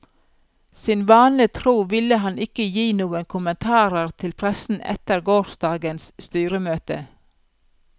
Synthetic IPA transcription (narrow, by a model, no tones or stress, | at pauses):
sɪnʋɑːnlɪt̪ʰɾuːʋɪləhɑnɪkəjiːnuːəŋkʰʊmənt̪ʰɑːɾəɾt̪ʰɪlpʰɾɛsn̩ʔɛ̰t̪əɾɡoːɾʃd̪ɑːɡənsst̪yːɾəmøːt̪ə